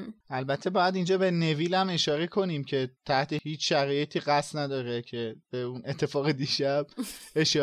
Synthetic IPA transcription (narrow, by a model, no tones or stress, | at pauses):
ʔælbæt̪ʰːe̞bɒːjæd̪ind͡ʒɒːbe̞ne̞viːlæme̞ʃɒːɾekʰo̞niːmcʰe̞t̪ʰæht̪ʰe̞hiːt͡ʃʃæɾɒːjet̪ʰiːɣæst̪næd̪ɒːɾecʰe̞b̥eune̞t̪ʰːe̞fɒːɣed̪iʃæb̥̚eʃɒː